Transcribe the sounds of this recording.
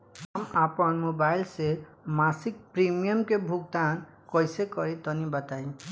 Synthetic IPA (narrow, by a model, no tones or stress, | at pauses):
ɦamapənmobailsemasik̚pɾimijəmkebʱuɡ̚t̪an | kɔjsekʌɾit̪ɔnibʌt̪aĩ